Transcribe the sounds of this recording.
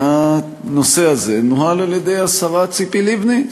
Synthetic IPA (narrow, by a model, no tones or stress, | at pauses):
a | no̞se̞aze̞noɦalaljed̪ejasaʁat͡sipilivni